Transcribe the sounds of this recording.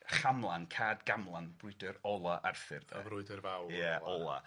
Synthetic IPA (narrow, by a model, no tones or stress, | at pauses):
χamlˠankʰaːdɡamlˠanbrʊɨdəɾɔlˠaʔarfɪrdaavɾʊɨdərvawjəɔlˠa̰